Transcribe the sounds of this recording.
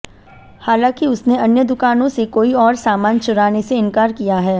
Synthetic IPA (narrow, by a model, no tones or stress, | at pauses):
haːlãːkiʊsneɐnjəd̪ʊkaːnõsekoːiɔːɾsaːmaːnt͡ʃʊɾaːneseɪ̃nkaːɾkijaɦɛː